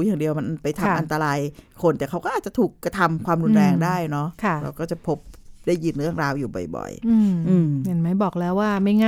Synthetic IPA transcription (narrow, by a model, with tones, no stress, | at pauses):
jaː˨˩ŋdi˧əwma˧npa˧jt̪ʰa˧m˧ʔa˧nt̪a˧ɾaː˧jkʰo˧nt̪ɛː˨˩kʰa˦wkɔː˥˩aː˨˩t̪̚t͡ɕa˨˩t̪ʰuː˨˩kːɾa˧t̪ʰa˧mkʰwaː˧mɾu˧nɾɛː˧ŋdaː˥˩jnɔ˦˥kʰa˧˩ɾa̰˧wkɔː˥˩t͡ɕa˨˩pʰo˦˥p̚daː˥˩jiː˨˧˩nɾɯ˥˩əŋɾaː˧wjuː˨˩bɔ̰˨˩jbɔ̰˨˩jʔɯː˧ʔɯː˧mne˧˩nma˦˥jbɔː˨˩k̚lɛː˦˥wːaː˥˩ma˦˥˩jŋa˥